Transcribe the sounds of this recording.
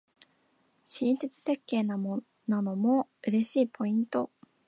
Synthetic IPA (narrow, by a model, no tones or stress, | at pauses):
ɕĩɰ̃set͡sɨ̥se̞kːe̞ːnamo | nano̞mo̞ɯ̟ɾe̞ɕiːpʰo̞ĩnt̪o̞